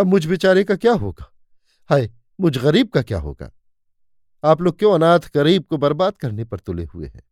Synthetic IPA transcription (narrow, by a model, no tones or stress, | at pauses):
ɐbmʊd͡ʒʱbɪt͡ʃaːɾekakjaːɦo̰ːɡaː | haːe | mʊd͡ʒʱɣɐɾiːb̚kakja̰ːɦo̰ːɡ̥a̰ː | aːploːɡ̚kjõɐnaːt̪ʰɣɐɾiːb̚kobɐɾbaːd̪kɐɾnepɐɾt̪ʊlḛɦuḛɦɛ̰̃ː